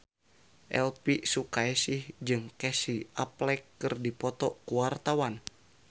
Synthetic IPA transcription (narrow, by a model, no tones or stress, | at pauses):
ʔɛlpisukaɛsihd͡ʒɨŋkɛsiʔaplɛkːɨrdipɔt̪ɔkuwart̪awan